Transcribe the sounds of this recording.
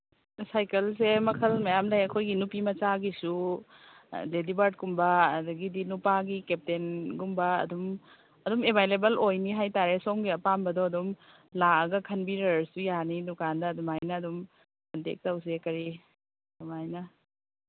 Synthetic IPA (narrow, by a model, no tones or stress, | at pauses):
sajkɐls̬emɐkʰɐlmɐjamlajɐkʰojɡinupimɐt͡ʃaɡisu | ledibaɾt̚kumbɐdɐɡidinupaɡikep̚tenɡumbɐɐ̰dum | ɐdumebʱajlebɐlojniɦajtaɾesomɡiɐpambɐdɔɐdum | laɐɡɐkʰɐnbiɾɐɾsujanidukandɐːdumajnɐːdum | kɐntḛk̚tɐws̬ekɐɾi | dumajnɐ